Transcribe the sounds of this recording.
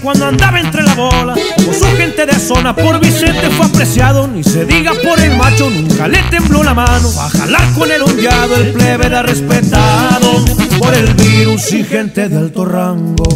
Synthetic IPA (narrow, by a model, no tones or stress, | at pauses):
kwand̪oand̪aβaent̪ɾe̞laβolakomosuxe̞nt̪e̞ðeaso̞napo̞ɾβise̞nt̪e̞fweapɾe̞sjaðonise̞ðiɣapo̞ɾe̞lmat͡ʃo̞nũŋkale̞t̪e̞mblo̞lamano̞a̰xa̰laɾko̞ne̞lond̪jaðoelpleβeɾarespet̪aðopoɾe̞lβiɾusixe̞nt̪e̞ðealt̪o̞raŋɡo